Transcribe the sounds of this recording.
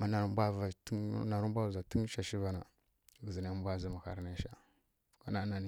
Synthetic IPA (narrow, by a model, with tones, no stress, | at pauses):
ma˦na˨ɾu˦mbʷa˦va˨tna˨ɾu˦m˦bʷa˦˨za˨ti˦n˦ʃa˨ʃi˦va˨na˨ | ɡə˨zi˨na˨˦bʷa˦˨zi˦ma˨xa̰˨ɾna˦ʃa˨ | ka˦na˦na˨ni˨